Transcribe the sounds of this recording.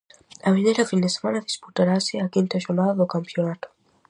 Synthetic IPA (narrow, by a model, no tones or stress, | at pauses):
amɛnɛɾafinɛsmanadisputaɾasiakintaʃɔnaðɔkampiɔnatɔ̥